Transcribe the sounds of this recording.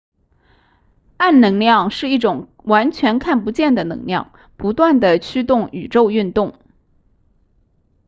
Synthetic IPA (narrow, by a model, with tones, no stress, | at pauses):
a˥˩nnɤ˧˥ŋljɑ˥˧ŋʂɻ̩˥˧i˥˩ʈ͡ʂʊ˨˩ŋ | wa˧˥nt͡ɕʰɥɛ˧˥nkʰa˥˩npu˧˥t͡ɕjɛ˥˩nd̪ə˩nɤ̰˧˥ŋljɑ̰˥˩ŋ | pu˧˥t̪wa˥˩nd̪ə˩t͡ɕʰy˥t̪ʊ˥˩ŋy̰˨˩ʈ͡ʂo˥˧ʊy˥˧nt̪ʊ˥˩ŋ